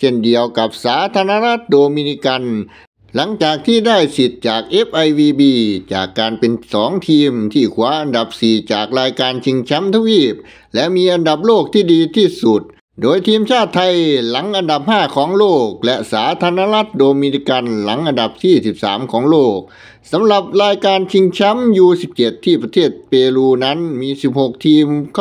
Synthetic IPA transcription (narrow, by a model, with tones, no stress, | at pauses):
se˧˩ndi˧əwka˨˩p̚saː˨˦˥t̪ʰaː˧na˧˥la˦˥t̪̚doː˧mi˧ni˦˧˥ka˧n | la˨˦ŋt͡ɕaː˨˩k̚t̪ʰiː˥˩da˥˩jsi˨˩t̪̚t͡ɕaː˨˩k̚ʔe˦˥p̚ʔa˧jwiː˧biː˧t͡ɕa̰ː˨˩kːaː˧npe˧nsɔː˨˩˦ŋt̪ʰiː˧mt̪ʰiː˥˩kʰu˨˦ɐʔa˧nda˨˩p̚siː˨˩t͡ɕaː˨˩k̚ɾaː˧jkaː˧nt͡ɕʰi˧ŋt͡ɕʰa˦˥mt̪ʰa˧wiː˥˩p̚ | lɛ˦˥ʔmiː˧ʔa˧nda˨˩p̚loː˥˩k̚t̪ʰiː˥˩diː˧t̪ʰiː˥˩su˨˩t̪̚ | doː˧jt̪ʰiː˧mt͡ɕʰaː˥˩t̪ʰːa˧jla˨˩˦ŋʔa˧nda˨˩p̚haː˥˩kʰɔː˩˦ŋloː˥˩k̚lɛ˦˥ʔsaː˨˩˦t̪ʰaː˧naː˧˥la˦˥t̪̚doː˧miː˧ni˦˧˥ka˧nla˩˦ŋʔa˧nda˨˩p̚siː˧˩si˨˩p̚sa̰ː˩˦mkʰɔː˩˦ŋloː˥˩k̚ | sa˨˦mla˨˩p̚ɾaː˧jkaː˧nt͡ɕʰi˧ŋt͡ɕʰa˦˥mjuː˧si˨˩p̚t͡ɕe˨˩t̪ʰːiː˥˩pɾa˧t̪ʰeː˥˩t̪̚peː˧luː˧na˦˥nmiː˧si˨˩p̚ho˨˩k̚t̪ʰiː˧mkʰ